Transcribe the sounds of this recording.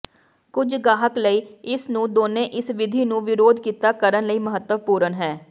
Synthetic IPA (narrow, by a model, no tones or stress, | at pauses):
kʊd͡ʒɡaːɦəkləiːɪsnũːd̪oːnẽːʔɪsʋɪd̪ʱiːnũːʋɪɾoːd̪kiːt̪aːkəɾənləiːməɦət̪ːəʋpuːɾənɦɛː